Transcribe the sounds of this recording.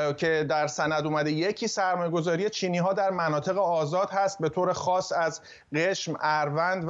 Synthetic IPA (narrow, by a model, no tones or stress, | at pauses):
cʰe̞d̪æɾsænæd̪uːmæd̪ejecʰiːsæɾmɒːjeɡo̞zɒːɾijet͡ʃʰiːniːɦɒːd̪æɾmænɒːt̪ʰe̞ɣeɒːzɒːd̪̥hæst̪̚be̞t̪ʰoːɾe̞xɒːsæz | ɢeʃmæɾvænd̪